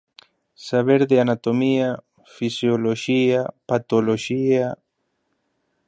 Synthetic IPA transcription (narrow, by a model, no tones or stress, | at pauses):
saβeɾðeanat̪omia | fisjoloʃiapat̪oloʃia